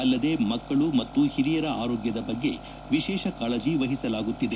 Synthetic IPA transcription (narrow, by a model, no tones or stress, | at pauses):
ɐlːɐd̪e̞ːmɐkːɐɭumɐt̪ːuhiɾijɐɾɐa̰ːɾoːɡjɐd̪ɐbɐɡːe̞̰ | ʋiʃɛːʃɐkaːɭɐd͡ʒiʋɐɦisɐlaːɡut̪ːid̪e